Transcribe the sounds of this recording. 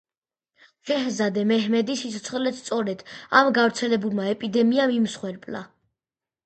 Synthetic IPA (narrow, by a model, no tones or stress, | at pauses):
ʃɛɦzad̪ɛmɛɦmɛd̪isit̪sʰɔt̪sʰχlɛt̪st̪ʼɔɾɛd̪̥amɡavɾt̪sʰɛlɛbulˠmaɛpʼid̪ɛmiamimsχwɛɾpʼla̰